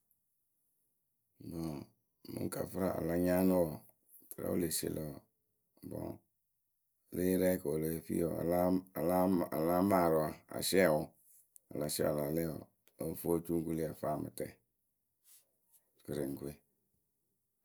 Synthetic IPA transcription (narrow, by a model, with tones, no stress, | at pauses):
bɔ˨ | mṵ˨ŋ˦ka˨fə˦ɾa˨a̰˨la˦ɲa˦no˦wɔ˨ | kʰə˨ɾa̰˨˦o̰˦le˨sḛ˨lo˨˦ɔ˨ | bɔ̰˨ | le˦ɾɛ˦ka˨o˨le˨fḭ˦ɔ̰˨a̰˨˦a˨la˦a˨la˦ma˨ɾo˨a˨a̰˨ʃɛ˦a˨wʊ˦ | a˨la˨ʃɛ̰˦a̰˨la˨lɛ˦ɔ̰˨ | o˦ft͡ʃu˦ɡu˦li˦a˨fa˦˨mə̰˨tɛ˨ | kə˨ɾe˨ŋ˨ɡu˦e˦